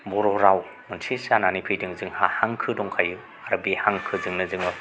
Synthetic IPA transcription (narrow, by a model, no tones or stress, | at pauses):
bɔɾɔɾaw | mɯnsʰisananipʰɯjdɯŋzɯŋhahaŋkʰɯdɔŋkʰajɯ | aɾbihaŋkʰɯzɯŋnɯzɯŋɯ